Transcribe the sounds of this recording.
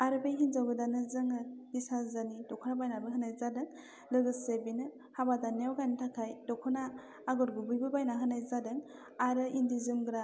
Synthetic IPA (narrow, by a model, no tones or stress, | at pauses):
aɾɯbejɦinzawɡɯdanɯzɯŋɯhisazanidɔkʰunabajnabɯɦɯnajzadɯŋ | lɯɡɯsebinɯ | habadanewɡanitʰakʰajdɔkʰɔnaː | ɡɔɾɡubujbɯbajnaɦɯnajzadɯŋ | aɾɯindizɯmɡɾa